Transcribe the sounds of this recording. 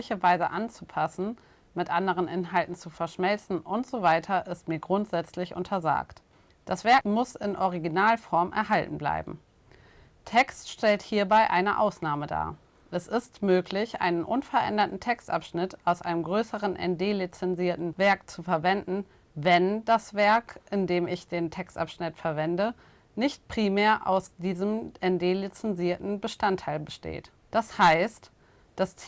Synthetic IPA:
ɪçɐvaɪzəʔant͡supʰasn̩ | mɪtʔandəʁ̞ənʔɪnɦaltn̩t͡sufɛɐʃmɛlt͡sn̩ʔʊntz̥ovaɪtʰɐʔɪstmiːɐɡʁʊntz̥ɛt͡slɪçʔʊ̰ntʰɐza̰ːkt | d̥asv̥ɛɐkmʊsɪnʔɔʁ̞iɡinaːlfɔɐmʔɛ̰ɐɦaltn̩bla̰ɪbm̩ | tʰɛkstʃtɛlthiːɐbaɪʔaɪnəʔa̰ʊsnaːməda̰ː | ʔɛsɪstmøːklɪçʔa̰ɪnənʔʊnfɛɐʔɛ̰ndɐtn̩tʰɛkstʔa̰pʃnɪtʔaʊsʔa̰ɪnəmɡʁøːsəʁənʔɛ̰ndeːlit͡sɛnziːɐtn̩vɛɐk̚t͡sufɛɐvɛndn̩ | vɛndasv̥ɛɐkʔɪndeːmɪçd̥eːntʰɛkstʔa̰pʃnɪtfɛɐvɛndə | nɪçtpʁ̥iːmeːɐʔa̰ʊsd̥iːzəmʔɛndeːlit͡sɛnziːɐtn̩bəʃtantʰːaɪlbəʃtḛːt | d̥ashaɪst | d̥as

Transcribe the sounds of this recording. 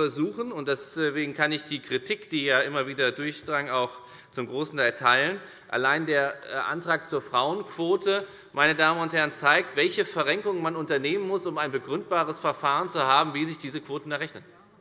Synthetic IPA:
ɛɐzuːχn̩ʊntd̥ɛsveːɡŋ̩kʰanɪçd̥iːkʁ̥itʰikd̥iːjaːʔɪmɐviːdɐdʊɐçd̥ʁaŋaʊx | t͡sʊmɡʁoːsn̩tʰaɪltʰaɪlən | ʔa̰laɪndeːɐʔa̰ntʁ̥aːk̚t͡suːɐfʁ̥aʊənkʰv̥oːtʰə | mʔaɪnədaːmənʊnthɛɐənt͡saɪk̚tv̥ɛlçəfɛɐʁɛŋkʊŋənmanʊntɐneːmənmʊsʊmaɪnbəɡʁʏnt̚b̥aːʁ̞əsfɛɐfaːʁənt͡suhaːbm̩viːzɪçd̥iːzəkv̥oːtn̩daʁɛçnən

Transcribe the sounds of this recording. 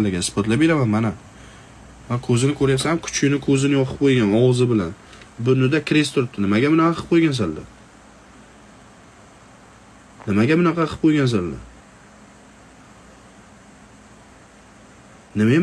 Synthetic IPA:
lːɪɡʲaɪsbɒt̪labe̞ɾamanmana | mankʰɵzɪnɪkʰɵɾajasamkʰʊ̥t͡ʃʰʲɪnɪkʰɵzɪnɪjɒqʰɨ̥p̚ʰojɡʲanɒwzɪbɪlanbʊnʊd̪akʲʰɾest̪ʰʊɾɪp̚t̪ɪnɪmaɡʲamʊnɑqɑɨ̥p̚qʰojɡʲans̬ald̪a̰ | nɪmaɡʲamʊnɑqʰɑqʰɨ̥p̚qʰojɡʲans̬alːa̰ | nɪma

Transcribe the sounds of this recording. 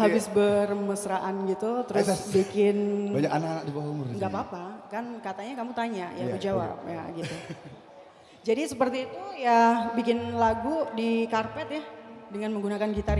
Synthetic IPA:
habɪsbərməsəɾaʔanɡit̪ut̪əɾʊssbikɪnbaɲakanakanak̚dibawaumʊrŋɡaʔpapakankat̪aɲakamut̪aɲajamud͡ʒawa̰p̚jaɡit̪u | d͡ʒadisəpərt̪iːt̪ujabikɪnlaɡudikarpɛt̪jahdəŋanməŋɡunakankit̪aɾ

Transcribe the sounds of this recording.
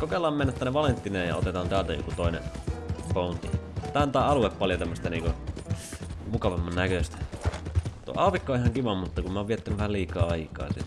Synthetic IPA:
kokelːˑɑːmenːæt̪ːɑnːeʋɑlent̪ːineːjjɑ̰o̰t̪et̪ɑːnt̪æːlt̪æjo̰kut̪oinḛpount̪it̪æːˑnt̪æˑːɑlueppɑljot̪æmːəst̪æniːŋko | mukɑʋɑmːɑnnækøst̪æ̥ | t̪uo̰ʔɑːʋikːooihɑŋkiʋɑmmut̪ːɑkumæoʋiet̪ːynyʋʋæhæliːkˑɑːɑikˑɑ̰ːsḭ

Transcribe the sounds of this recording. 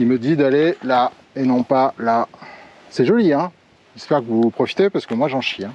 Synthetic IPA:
ilməd̪id̪alela | enɔ̃pala | sɛʒɔliɛ̃ | ʒɛspɛʁkəvupχɔfi̥t̪epaʁsə̥kəmwaʒɑ̃ʃiɛ̃

